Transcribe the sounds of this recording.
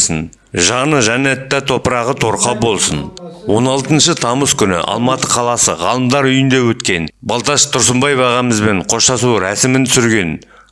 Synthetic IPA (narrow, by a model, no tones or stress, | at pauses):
sən | ʒɑnəʒænæt̪ːæt̪ʰo̞pəɾɑʁət̪ʰo̞ɾqɑbo̞lˠsənwo̞nɑlˠt̪ənʃət̪ʰɑməskʲʰʏnɪ̰ʔɑ̰lˠmɑt̪əqʰɑlˠɑsə̰ʁɑlˠəmd̪ɑɾʏjɪnd̪e̞wɵt̪kʲe̞nbɑlˠt̪ɑʃt̪ʰʊɾsəmbɑjbɑʁɑməzbe̞ɴqʰo̞ʃt̪ɑsuɾæsɪmɪnt̪sʏɾɡʲe̞n